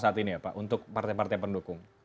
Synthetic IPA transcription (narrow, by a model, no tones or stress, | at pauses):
saat̪iniapaʔunt̪ʊk̚part̪ajpart̪ajpəndukʊŋ